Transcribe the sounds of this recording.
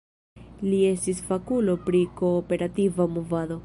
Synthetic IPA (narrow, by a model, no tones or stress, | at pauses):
lie̞stisfakulo̞pɾiko̞ːpe̞ɾativamovado̞